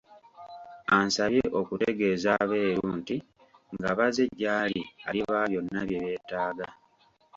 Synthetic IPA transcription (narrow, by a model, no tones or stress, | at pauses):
ansaβje̞ʔo̞kute̞ɡe̞ːzaβe̞ːɾuːnti | ŋɡaβaze̞ɟːaːlialiβaːβjo̞nːaβje̞βe̞ːtaːɡa